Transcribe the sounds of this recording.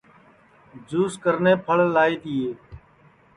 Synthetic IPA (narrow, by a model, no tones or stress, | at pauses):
d͡ʒuːskəɾneːpʰəɭlaːiːt̪iːeː